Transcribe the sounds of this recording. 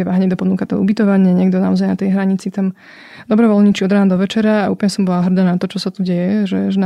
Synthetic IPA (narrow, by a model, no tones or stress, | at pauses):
ɛʋaɦɲɛd̪ɔpɔnukat̪ɔ̰ubit̪ɔʋaɲɪaɲɪɛɡd̪ɔnaɔzajnat̪ɛjɦɾaɲit͡sit̪am | d̪ɔbɾɔʋɔlɲit͡ʃiɔd̪ɾaːnd̪ɔʋɛt͡ʃɛɾaaʔṵːpl̩ɲɛsɔmbɔlaɦr̩d̪aːnat̪ɔt͡ʃɔsat̪uɟɛjɛʒɛʒɛn